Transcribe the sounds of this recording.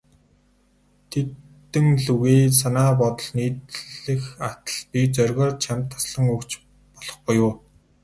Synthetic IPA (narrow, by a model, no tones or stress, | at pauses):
t̪ʰet̪ːɘ̆ŋɮuɣeːsanaːp̬ɔt̪ɞ̆ɮniːt̪ɮɘ̆xat̪ə̥̆ɮpit͡sœrʲɣʲɔːrt͡ɕʰamt̪ʰːḁsɮə̆ŋɵkt͡ɕ | pɔɮ̥ɞ̆χbʊjʊː